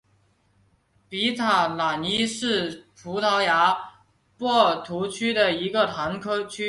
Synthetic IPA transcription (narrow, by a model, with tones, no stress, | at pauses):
pi˧˥t̪ʰa˨˩la˨˩ni˥ʂɻ̩˥˩pʰu˧˥t̪ʰɑ˧˥ʊja˧˥ | pwɔ˥˩t̪ʰu˧˥t͡ɕʰy˥d̪ə˨i˧˥ɡə˨t̪ʰa˧˥nkʰɤ˥t͡ɕʰy˥